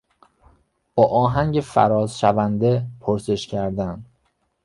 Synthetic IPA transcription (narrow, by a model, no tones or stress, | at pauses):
b̥ɒːʔɒːɦæŋɟefæ̰ɾɒːzʃævænd̪e̞pʰoɾse̞ʃcʰæɾd̪æn